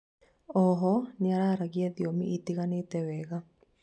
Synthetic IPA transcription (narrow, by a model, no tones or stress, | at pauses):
ɔɦɔɲaɾaɾaɣiaðiomḭʔit̪iɣanet̪ɛwɛɣa